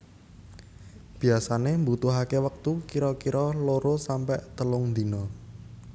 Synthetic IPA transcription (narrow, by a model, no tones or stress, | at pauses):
b̥i̤asanembut̪uɦakewək̚t̪ukiɾɔkiɾɔloɾosampɛʔt̪əlʊŋd̪i̤nɔ